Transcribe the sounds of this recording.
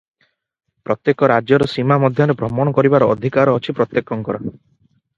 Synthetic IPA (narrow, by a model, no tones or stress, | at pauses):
pɾɔt̪jekɔɾad͡ʒjɔɾɔsimamɔd̪ʱjɔɾebɾɔmɔɽ̃ɔkɔɾibaɾɔːd̪ʱikaɾɔːt͡ʃʰipɾɔt̪jekːɔŋkɔɾɔ